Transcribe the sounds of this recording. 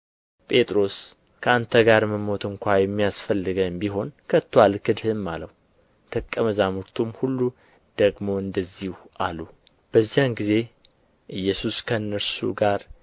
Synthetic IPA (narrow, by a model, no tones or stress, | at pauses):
pʼe̞t̪ʼɾo̞s | kʰəant̪ʰəɡaɾməmo̞t̪ʰɨŋkʷajɛmːijasfəlːɨɡəmbiɦo̞nkʰət̪ːwalkɨd̪hɨmːaləhu | t̪ʰəkʼːəməzamuɾt̪ʰumhulːu | d̪̥əɡmo̞ɨnd̪əzːihuʔa̰lu | b̥əzːijamɡize̞ | ʔɨjːɛsuskʰənːəɾsṵɡaɾ